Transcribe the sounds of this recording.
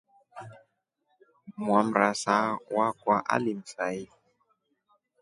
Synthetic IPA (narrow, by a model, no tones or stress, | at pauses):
mwam̩ɾasawakwaʔa̰lim̩fai